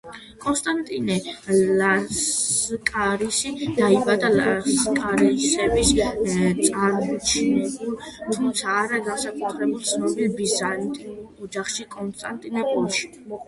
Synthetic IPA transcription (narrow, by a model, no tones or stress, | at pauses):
kʼɔnst̪ʼant̪ʼinɛla | kʼaɾisid̪̥aibad̪alaskʼaɾɛisɛbist̪sʼaɾmɔt͡ʃʰinɛbul | t̪ʰumt̪sʰaːɾaɡansakʰat̪ʰɾɛbulˠt̪sʰnɔbilbizant̪ʼɔd͡ʒaχʃikʼɔnst̪ʼant̪ʼinɛpʼulˠʃi̥